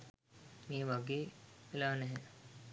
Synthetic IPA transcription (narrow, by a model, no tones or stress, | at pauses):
meːʋaɡeːʋelaːnɛɦɛ